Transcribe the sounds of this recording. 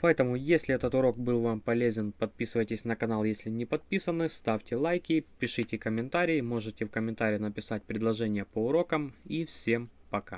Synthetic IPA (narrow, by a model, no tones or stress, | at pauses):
pɐɛt̪əmʊjesʲlʲɪɛt̪ət̪ʊɾo̞k̚bɨlˠvampɐlʲezʲɪnpɐt̪̚pʲisɨvəjtʲɪsʲnəkɐnalˠjesʲlʲɪnʲɪpɐt̪̚pʲisənːɨst̪afʲtʲɪlˠajkʲɪpʲɪʂɨtʲɪkəmʲɪnt̪aɾʲɪːmo̞ʐɨtʲɪfkəmʲɪnt̪aɾʲɪjɪnəpʲɪsat̚ʲpɾʲɪd̪lˠɐʐɛnʲɪjəpəʊɾo̞kəmifsʲe̞mpɐka̰